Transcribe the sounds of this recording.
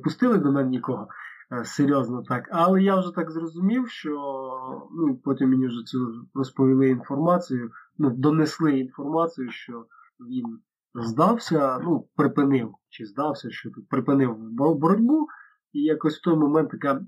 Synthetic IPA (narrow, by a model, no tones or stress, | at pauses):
pʊst̪ɪlˠɪd̪ɔmɛnnʲikɔɦɔ | seɾʲjɔznɔt̪ɑkɑlˠɛjawʒɛt̪ɑkzrɔzʊmʲiwʃt͡ʃɔ | nuipɔtʲimmenʲiwʒɛsɛrɔspɔʋʲilˠɪinfɔrmɑt͡sʲɪjʊnud̪ɔneslˠɪinfɔrmɑt͡sʲɪjʊʃt͡ʃɔ | ʋʲin | zd̪ɑwsʲɐnupɾɪpɪnɪwt͡ʃɪzd̪ɑwsʲɐʃt͡ʃɔt̪pɾɪpɪnɪwbbɔɾɔdʲbu | ijakɔsʲw̥t̪ɔjmɔmɛnt̪jɐka